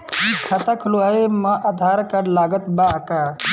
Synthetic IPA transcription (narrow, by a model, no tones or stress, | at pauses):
ikʰɐt̪akʰluaemɐʔɐd̪ʱaːɾkɐɾlaːɡət̪baɐka